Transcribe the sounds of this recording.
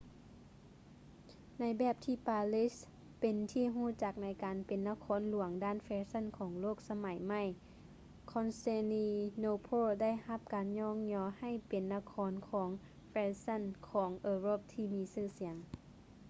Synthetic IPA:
na˨˥jbɛː˧˩p̚t̪ʰiː˧˩paː˧li˦˧˥s | pe˨nt̪ʰiː˧˥˨ɦuː˧˥˩t͡ɕa˧˩k̚na˨˧˥jkaː˨npe˨nːa˧kʰɔː˧˥nlu˨˩˦əŋdaː˧˥˨nfɛː˧sa˧˥˨nkʰɔː˨˩˦ŋloː˥˩k̚sa˧ma˨˦jma˧˩j | kʰɔː˧˥nse˧niː˧noː˧pʰoː˧˥˨da˥˩˨jha˧˥p̚kaː˨nɲɔː˧˥˨ŋɲɔː˧ha˧˩jpe˨nːa˧˨kʰɔː˧˦nkʰɔː˩˦ŋ | fɛː˧˥sa˧˥˨nkʰɔː˩˦ŋʔɤː˧ɾo˧˥˩p̚t̪ʰiː˧˩miː˧sɯː˧˩si˨˦əŋ

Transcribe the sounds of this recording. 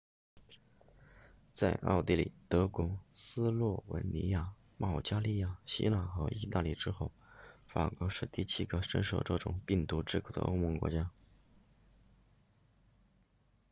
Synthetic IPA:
t͡sa˥˧ɪʔɑ̰˥˧ʊt̪i˥˩lḭ˨˩t̪ɤ˧˥kwɔ˧˥sɹ̩˥lwɔ˥˩wə̰˧˥nni˧˥ja˥˩ | mɑ˥˩ʊt͡ɕja˥li˥˧ja˥˩ɕḭ˥la˨˩xɤ̰˧˥ʔḭ˥˧t̪a˥˧li˥˩ʈ͡ʂɻ̩˥xo˥˩ʊfa̰˨˩kwɔ˧˥ʂɻ̩˥˧t̪i˥˩t͡ɕʰi˥ɡə˧ʂə̰˥nʂo˨˧˩ʊʈ͡ʂɤ̰˥˧ʈ͡ʂʊ˨˩ŋpi˥˩ŋt̪u˧˥ʈ͡ʂɻ̩˥˩kʰo˨˩d̪ə̰˧ʔo̰˥ʊmə˧˥ŋkwɔ̰˧˥t͡ɕja˥

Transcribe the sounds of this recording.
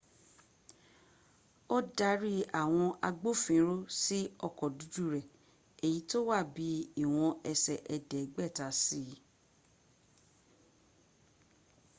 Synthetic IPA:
o˦da˦ɾi˦a˦˨w̃ɔ̃˧ʔa˧ɡ͡bo˦fĩ˨˦ɾo˦si˦ɔ˧˨kɔ˨du˨˦du˦ɾɛ˨ | e˨ji˨˦to˦wa˦˨bi˨˦i˦˨w̃ɔ̃˧ʔɛ˧sɛ˨ʔɛ˧dɛ˨˦ɡ͡bɛ˦˨ta˨˦si˦

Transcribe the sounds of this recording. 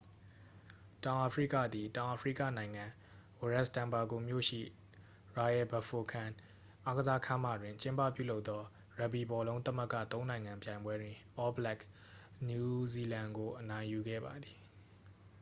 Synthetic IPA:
tã˨ʊ̃ʔa˨pfɹḭ˦˨kä̰˦˨d̪i˨tã˨ʊ̃ʔa˨fʰɹḭ˦˨kä̰˦˨nã˨ɪ̃ŋã˨ | wo˨ɹɛ˦˨stã˨mba˨ɡo˨mjo̰˦˨ʃḭ˦˨ | ɹa˨ɛ˨bə˨fo˨kʰã˨n | ʔa˦ɡəza˦kʰã˦ma̰˦˨dwɪ̃˨ɲt͡ɕɪ̃˦mpä̰˦˨pjṵ˦˨lo˦ʊt̪ːɔ˦ | ɹa˨bi˨bɔ˨lõ˦ʊ̃nt̪ə˦mə˦˨kä̰˦˨t̪õ˦ʊ̃nã˨ɪ̃ŋã˨mpjã˨ɪ̃mbwɛ˦dwɪ̃˨ʔɔ˦blɛ˦˨ks | nju˨zi˨lã˨ŋɡo˨ʔənã˨ɪ̃ju˨ɡɛ̰˦˨ba˨d̪i˨

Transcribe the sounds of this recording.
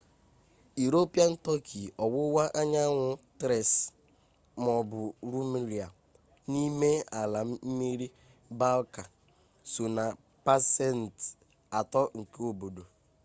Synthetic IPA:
i˨ɾo˦pi˦a˦n̩˦tɔ˦kʰi˨ɔ˨wʊ˦wa˦ʔa˦ɲa˦ŋʷʊ˨tɾɛ˨s | m˨ɔ˨bʊ˨ɾu˦mi˦ɾi˨a˨ | ni˦me˦a˨la˨m̩˦mi˦ɾi˦ | ba˦lka˨ | su˨na˨ | pa˦sɛ˦˨n˨t | a˨tɔ˦ŋ̩˨ke˦o˨bo˨do˨

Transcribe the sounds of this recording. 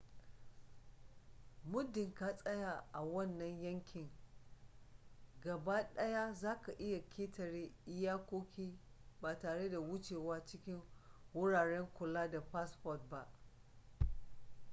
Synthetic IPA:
mʊ˦dɪ˨ŋkaː˦sʼɐ˦ja˨ʔa˨wɐ˦˨nːɐ˦ɲjɐ˦ŋkʲɪ˨ŋ | ɡɐ˨ba˦ɗɐ˦ja˦zaː˦ka˨ʔɪ˦ja˨kʲʰeː˦tɐ˨ɾeː˦ʔɪ˦jaː˦kʷoː˦kʲiː˦ | baː˨taː˨ɽe˦da˨wʊ˦t͡ʃeː˨waː˦t͡ʃɪ˦kʲɪ˦ŋwʊ˦ɽaː˨ɽɛ˦ŋkʷʊ˨laː˦da˨pa˦spɔ˨t̚ba˦ʔ

